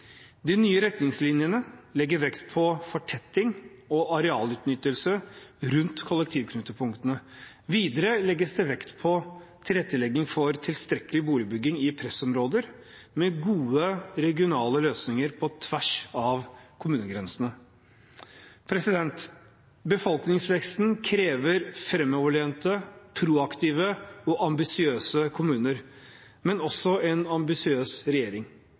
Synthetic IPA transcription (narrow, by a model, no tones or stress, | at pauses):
d̪ɪnyːəɾɛt̪nɪŋslɪnjənəlɛɡːəɾʋɛkt̪pʰɔfɔʈʰɛt̪ːɪŋɔɑɾɛɑːlʉːt̪nʏt̪ːəlsəɾʉnt̪kʰʊlək̚t̪ʰiːʋkʰnʉːt̪əpʰʊŋkt̪ənə | ʋiːd̪əɾəlɛɡːəsd̪ɛʋɛkt̪pʰɔt̪ʰɪlɛt̪ːəlɛɡɪŋfɔɾt̪ʰɪlst̪ɾɛkəlɪbuːlɪbʏɡːɪŋɪpʰɾɛsɔmɾoːd̪əɾ | mɛɡuːəɾɛɡɪʊnɑːləløːsnɪŋəɾpʰɔt̪ʰʋæʂɑʋkʰʊmʉːnəɡɾɛnsənə | pʰɾɛsɪd̪ɛnt̪ | bəfɔlˠknɪŋsʋɛkst̪n̩kʰɾeːʋəɾfɾɛmːɔːʋəɭeːnt̪əpʰɾuːɑkt̪ʰiːʋəɔʔɑmbɪsɪøːsəkʰʊmʉːnəɾ | mɛnɔsɔɛnɑmbɪsɪøːsɾɛjeːɾɪŋ